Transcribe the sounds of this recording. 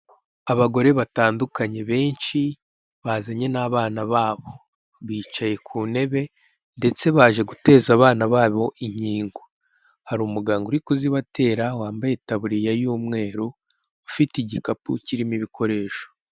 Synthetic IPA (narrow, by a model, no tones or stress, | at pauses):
aβaɡo̞ɾe̞βataːndukaɲe̞βe̞ːnʃi | βaːzaɲe̞naβaːnaβaːβo̞ | βiːt͡ʃaje̞kʰuːne̞βe̞ | nde̞t͡se̞βaːʒe̞ɡute̞ːzaːβaːnaβaːβo̞ʔiɲiːŋɡo | haɾuːmuɡaːŋɡouɾikuziβate̞ːɾawaːmbajetaβuɾijajuːmŋe̞ːɾo | ufitiɟikapuciɾimiβikʰo̞ɾe̞ːʃo̥